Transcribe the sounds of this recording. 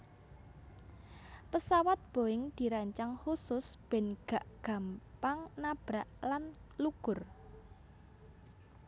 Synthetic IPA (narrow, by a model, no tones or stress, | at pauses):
pəsawat̪̚b̥o̤ɪŋd̪̥i̤ɾaɲt͡ʃaŋhusʊsb̥ɛ̤nɡ̥a̤ʔɡ̥ä̤mpaŋnab̥ɾaʔlanluɡ̥ʊ̤r